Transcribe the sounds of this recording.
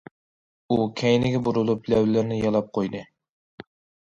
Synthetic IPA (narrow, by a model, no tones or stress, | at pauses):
ukʲʰæjnɪɡʲɛbuɾulˠuplæwlɪɾnɪjɑlˠɑp̚qʰojd̪ɨ